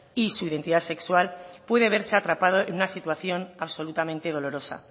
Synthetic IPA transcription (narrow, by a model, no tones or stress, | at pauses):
isuiðe̞nt̪iðase̞kswalpwe̞ðeβ̞e̞ɾse̞at̪ɾapað̞o̞enunasit̪waθjo̞naβso̞lut̪amẽnt̪e̞ð̞o̞lo̞ɾo̞sa̰